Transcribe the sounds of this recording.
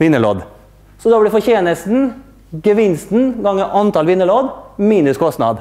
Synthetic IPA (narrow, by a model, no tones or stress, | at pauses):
ʋɪnːəlo̰ːd̪ | sɔd̪ɑːbɽɪfɔçeːnəst̪n̩ | ɡəʋɪnst̪n̩ɡɑŋːəʔɑnt̪ʰɑlʋɪnːəloːd̪miːnʉskʰɔst̪nɑ̰d̪